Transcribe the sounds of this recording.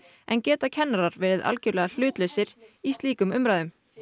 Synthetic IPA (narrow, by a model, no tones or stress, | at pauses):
ɛ̰ncɛːt̪acʰɛnːaɾaɾvɛːɾɪða̰lcœɾlɛːɣal̥ʏːt̪lœɥsɪɾ̥ist̪liːkʏmʏmɾajðʏm